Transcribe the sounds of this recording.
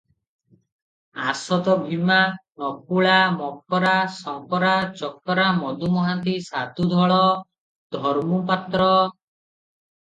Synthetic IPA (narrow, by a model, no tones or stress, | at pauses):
a̰sɔt̪ɔbʱimanɔpuɭamɔk̚ɔɾasɔŋpɔɾat͡ʃɔkːɔɾamɔd̪umɔɦant̪̬isat̪ud̪ʱɔɭɔ | d̪ʱɔɾmupat̪ɾɔ